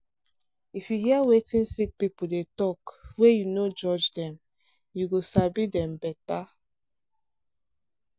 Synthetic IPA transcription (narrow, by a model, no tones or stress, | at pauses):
ifjuɦiawetĩnsik̚pipudetɔkwejunod͡ʒɔd͡ʒdɛ̃m | juɡosabidɛ̃mbɛta